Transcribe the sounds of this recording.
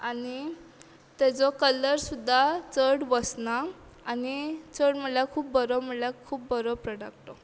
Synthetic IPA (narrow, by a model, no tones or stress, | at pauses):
ani | t̪ɛd͡zɔkələɾsud̪ʱːat͡səɽʋəsna | anit͡səɽm̤əlakʰuːpbəɾɔm̤əlakʰuːp̚bəɾɔpɾəɽak̚t̪ɔ